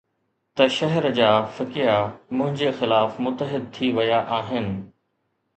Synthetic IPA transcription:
t̪ɐʃɐɦɛɾd͡ʑaːfɪkijamʊ̃ɦɪ̃ɲd͡ʑexɪlaːfmʊt̪ːəɦɪd̪̚t̪ʰiʋɐjaʔaːɦɪnɪ̆

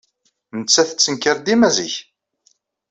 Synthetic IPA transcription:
nət͡sːæθə̥t͡sːənkəɾd̪imæziç

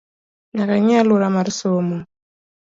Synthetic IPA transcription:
naɾaɲaluɾamaɾisomo

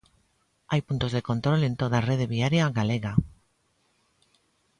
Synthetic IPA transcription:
ajpunt̪ozðeko̞nt̪ɾolent̪oðareð̞eβiaɾjaɣaleɣa

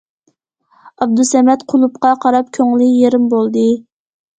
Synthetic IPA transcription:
ɑb̚d̪usɛmɛt̪qʰʊlˠupqɑqʰɑɾɑp̚kʲʰøŋlɪjeɾɪmbolˠd̪ɨ

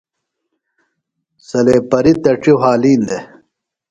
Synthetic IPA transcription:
sɐleːpɐɾit̪ɐʈ͡ʂiɦaːliːnd̪e

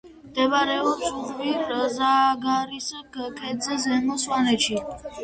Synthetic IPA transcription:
md̪ɛbɾɛɔɾsuʁviɾzaɡaɾisaɡkʰʼɛd̪zɛzɛmɔswanɛʃʰi

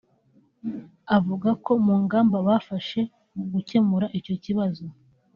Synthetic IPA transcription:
avuɡako̞muːŋɡaːmbaβafaʃe̞ | muɡuce̞muɾaʔico̞ciβazo

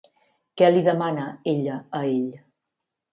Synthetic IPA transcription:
kɛliðəmanəeʎəəeʎ

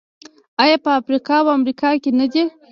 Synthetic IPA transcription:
ajɑpəafɾikɑwamɾikɑkenəd̪e

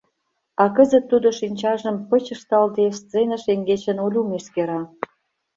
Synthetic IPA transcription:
ɑkəzə̆t̪ːud̪oʃinʲt͡ɕɑʒə̆mpə̆t͡ɕə̆ʃt̪ɑld̪est̪t͡senə̆ʃeŋɡet͡ɕə̆nolʲumeʃkeɾɑ

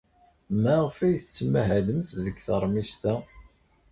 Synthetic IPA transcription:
mæʁfæjθət͡sːmæɦæðəmθðəɡθəɾˤmist̪æ

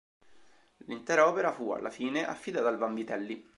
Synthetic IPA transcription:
lint̪ɛːɾaɔːpeɾafua̰lːa̰fiːneʔa̰fːid̪aːt̪alvambit̪ɛlːi

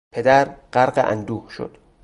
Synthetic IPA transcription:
pʰe̞d̪æɾɢæɾɢeʔæ̰nd̪uːhʃo̰d̪̥

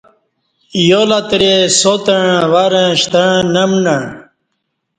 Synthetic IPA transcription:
jolat̪ɾesot̪əɻ̃waɾə̃ɕt̪əɻ̃nəmnəɳ

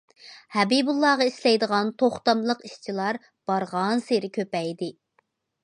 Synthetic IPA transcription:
hɛbibulˠːɑːʁɑislɛjd̪əʁɑnt̪ʰoχt̪ɑmlˠəqiʃt͡ʃʰilˠɑɾ | b̥ɑɾʁɑnseɾɪkʲʰøpɛjd̪ɪ

